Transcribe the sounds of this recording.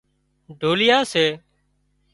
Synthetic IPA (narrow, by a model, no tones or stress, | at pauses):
ɖʱoːlɪjaːseː